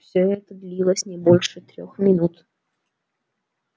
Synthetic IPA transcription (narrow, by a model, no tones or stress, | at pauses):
fsʲɵɛt̪əd̪lʲilˠəsʲnʲɪbo̞lʲʂɨt̪ɾʲo̰xmʲɪnut̪